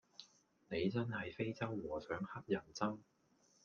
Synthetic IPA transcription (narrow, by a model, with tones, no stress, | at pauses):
ne˨˧jt͡sɐ˥nhɐ˨jfe˥jt͡sɐ˥wːɔː˨˩sœː˨˥ŋhɐ˥k̚jɐ˨˩nt͡sɐ˥m